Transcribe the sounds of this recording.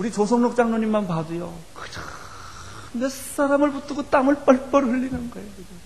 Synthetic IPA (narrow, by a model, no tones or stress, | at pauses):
uɾit͡ɕosʰʌŋnok̚t͡ɕ͈aŋnoɲimːanpadɯjo | kɯ̥t͡ɕ | nes͈aɾamɯɭput͈ʰɯɡot͈aŋɯɭp͈ʌɭp͈ʌɾuɭːinɯnɡʌeoɯɡe